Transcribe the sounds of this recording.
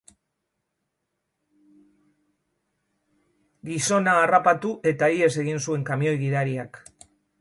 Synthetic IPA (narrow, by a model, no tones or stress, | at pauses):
ɡiso̞naːrapat̪uʔe̞t̪aie̞s̬e̞ɣ̞insue̞ŋkamio̞jɣiðaɾiak